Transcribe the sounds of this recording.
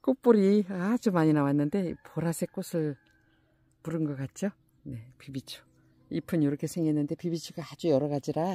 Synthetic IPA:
k͈ok̚p͈uɾiat͡ɕomaɲinawanːɯnde̞poɾasʰek͈osʰɯɭ | puɾɯnɡʌk͈at̚t͡ɕ͈o | ne̞pibit͡ɕʰo̥ | ipʰɯnjoɾʌkʰe̞sʰeŋɡenːɯnde̞pibit͡ɕʰiɡaad͡ʑujʌɾʌɣad͡ʑiɾa

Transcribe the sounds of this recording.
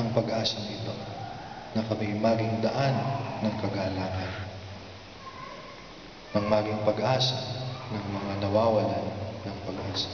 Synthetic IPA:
ʔɐŋpɐɡʔaːsɐŋɪt̪o̞ | nɐkɐmɪjmaːɡɪŋd̪ɐʔanːɐŋkɐɡaːlaːʔɐn | ʔɐŋmaːɡɪŋpɐɡʔaːsɐnɐŋmɐŋanɐwaːwɐlanːɐŋpɐɡʔaːsɐ

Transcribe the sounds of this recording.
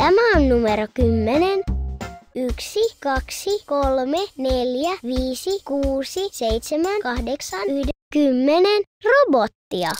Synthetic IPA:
æmæonnumeɾokymːenen | yksikɑksikolmeneljæʋiːsikuːsiseit̪semænkɑhdeksɑnyhdekymːenenrobot̪ːiɑ

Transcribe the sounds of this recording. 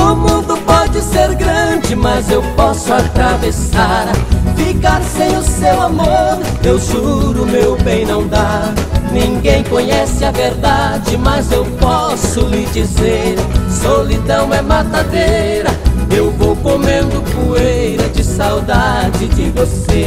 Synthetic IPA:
ʊmũnd̪ʊpɔd͡ʒɪseɾɡɾɐ̃d͡ʒɪmɐzewpɔsʊat̪ɾavesaɾfikaɾsẽj̃ʊsewamoɾ | ewʒuɾʊmewbẽj̃nɐ̃w̃d̪a | nĩŋɡẽj̃kõɲɛsɪɐveɾd̪ad͡ʒɪmɐzewpɔ | sʊlɪd͡ʒizeɾsolid̪ɐ̃w̃ɛmat̪ad̪e | ɾɐewvowkomẽnd̪ʊpuejɾɐd͡ʒɪsawd̪ad͡ʒɪd͡ʒɪvose

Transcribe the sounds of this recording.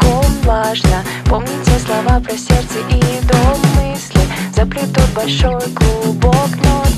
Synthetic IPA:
kovaʐnə | pomnʲɪt͡sʲɛslˠɐvapɾʲɐsʲɛrt̪sɛʔid̪omːɨsʲlʲɪzɐplʲit̪ːod̪̚bɐlʲʂojɡlˠubokna

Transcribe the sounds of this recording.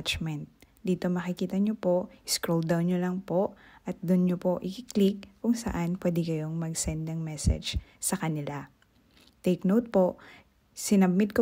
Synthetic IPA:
t͡ʃmɛnt̪̚d̪iːt̪o̞mɐkɪkiːt̪ɐɲopo̞ʔʔɪskɾold̪awnɲolɐŋpo̞ʔʔɐt̪̚d̪ʊnɲopo̞ʔɪkɪklikːʊŋsɐ̰ʔanpwɛːd̪ɛkɐjo̞ŋmɐɡsɛnd̪̚nɐŋmɛsɛ̰d͡ʒsɐkɐnɪla | t̪ɛjknowt̪̚poʔ | sɪnɐb̚mɪd̪̚ko

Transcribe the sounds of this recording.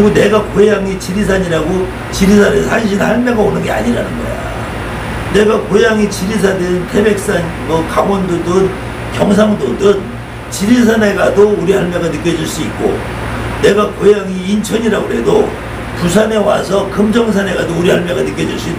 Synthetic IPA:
iɡone̞ɡakojaŋit͡ɕiɾis̬ʰaɲiɾaɡo | t͡ɕiɾisʰaneanɕ̬ʰinhaɭmjʌɡaonɯnɡe̞a̰ɲiɾanɯnɡʌ̰ja̰ | ne̞ɡakojaŋit͡ɕiɾis̬ʰadentʰe̞be̞k̚s͈an | mʌkaŋʌndodɯn | kjʌŋs̬ʰaŋdodɯn | t͡ɕiɾis̬ʰaneɡadouɾihaɭmjʌɡanɯk͈jʌd͡ʑiɭs͈uik͈o̰ | ne̞ɡakojaŋiːnt͡ɕʰʌɲiɾaɡoɦe̞do | pus̬ʰane̞wa̰sʰʌkɯmd͡ʑʌŋs̬ʰane̞ɡadouɾihaɭmjeɡanɯk͈jʌd͡ʑiɭs͈uit

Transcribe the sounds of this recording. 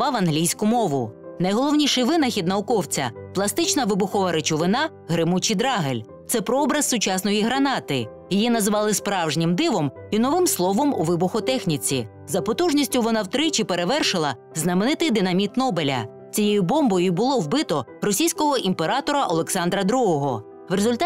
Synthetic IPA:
ɑʋɐnɦlʲijsʲkʊmɔʋʊnɐjɦɔlˠɔwnʲiʃɪjʋɪnɐxʲid̪̚nɐʊkɔwt͡sʲɐ̰plˠɐst̪ɪt͡ʃnɐʋɪbʊxɔʋɐɾet͡ʃʊʋɪnɑ | ɦɾɪmut͡ʃid̪ɾɑɦelʲ | t̪sɛpɾɔɔbɾɐssʊt͡ʃɑsnɔjiɦɾɐnɑt̪ɪ | jijinɐzʋɑlˠɪspɾɑwʒnʲɪmd̪ɪʋɔminɔʋɪmslˠɔʋɔmṵʋɪbʊxɔt̪ɛxnʲit͡sʲḭ | zɐpɔt̪uʒnʲisʲtʲʊʋɔnɑwt̪ɾɪt͡ʃɪpe̞ɾe̞ʋɛrʃɪlˠɐ | znɐmenɪt̪ɪjd̪ɪnɐmʲit̪nɔbelʲɐ̰ | t͡sʲijejʊbɔmbɔjʊbʊlˠɔwbɪt̪ɔrɔsʲijsʲkɔɦɔʔimpe̞ɾɑt̪ɔɾɐʔɔlˠeksɑnd̪ɾɐd̪ɾuɦɔɦɔ | ʋrezʊlʲt̪

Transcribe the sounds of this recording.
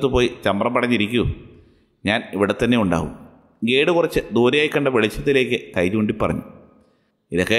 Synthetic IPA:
t̪ːɨpo̞ːjit͡ɕɐmbrɐmpɐɽɐɲːiɾikʲːu | ɲaːniʋiɽet̪ːɐnːe̞uɳɖa̰ːɣṵm | ɡe̞ːɽɨkurɐt͡ɕːɨd̪oːɾijaːjikʲːɐɳɖɐʋeɭit͡ɕːɐt̪ːile̞ːkʲːɨkɐjt͡ɕuːɳɖipːɐrɐ̰ɲːu | iðɐkːe

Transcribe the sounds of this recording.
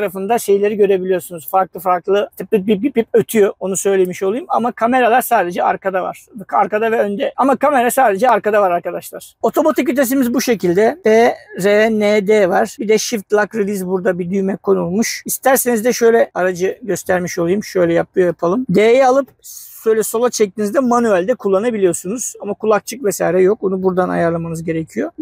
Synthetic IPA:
taɾafɯnd̪aʃe̞jlʲeɾiɟø̞ɾe̞bilʲijo̞sunuz̥faɾklˠɯfaɾklˠɯt̪ʰɯp̪̚ɯbibipip̚øt̪ʰyjoonusø̞jlʲemiʃo̞lˠujuma̰makʰame̞ɾalˠaɾsaːd̪e̞d͡ʒɛa̰ɾkʰad̪ava̰ɾ̥ʰaɾkad̪avɛønd̪ɛamakʰame̞ɾasaːd̪e̞d͡ʒɛaɾkad̪avaɾaɾkad̪aʃlˠaɾ̥o̞t̪ʰo̞mat̪ʰic̬yt̪̬ʰes̬imizbuʃe̞cilʲd̪ɛbɛɾeneːd̪eːvaɾ̥bid̪ɛʃift̪lʲˠakɾilʲizbuɾd̪abid̪yjmɛkʰo̞nulˠmuʃist̪ʰæɾse̞nizd̪ɛʃø̞jlʲɛaɾad͡ʒɯɟø̞st̪ʰæɾmiʃo̞lˠujumʃø̞jlʲɛjap̚lˠɯjojapʰalˠɯmd̪eːjɛalˠɯpʃøjlʲɛso̞lˠat͡ʃʰɛc̚t̪ʰinizd̪ɛmanyɛlʲd̪ɛkʰulˠːanabilʲijo̞sunuz̥amakʰulˠak̚t͡ʃʰɯkvɛsa̰ːiɾɛjo̞k̚unubuɾd̪ana̰jaɾlˠamanɯzɟe̞ɾecʰijo̞

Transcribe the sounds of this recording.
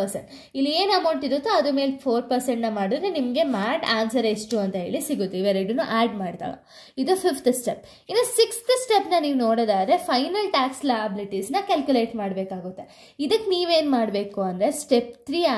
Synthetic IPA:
ɐɾsḛɳʈ | ilːieːnɐmɐwɳʈid̪ut̪ːeɐd̪ume̞ːlpʰoːɾpɐɾseɳʈnɐmaːɽid̪ɾenimɐɡe̞maːʈaːnsɐɾisʈuɐnt̪ɐɦe̞ːɭisiɡut̪ːiʋeɾeɖunuʔaːɖmaːɖt̪a̰ːɭɐ̰ | id̪upʰipʰt̪sʈep | inːosikst̪sʈepnɐniːʋnoːɽd̪aːd̪ɾe̞pʰɐjnɐlʈaːkslaːjɐbiliʈisnɐkɐlkjule̞ːʈmaːɽbeːkaːɡut̪ːe | id̪ɐkːeniːʋe̞ːnmaːɽbe̞ːkuɐnd̪ɐɾe̞sʈept̪ʰɾiːa

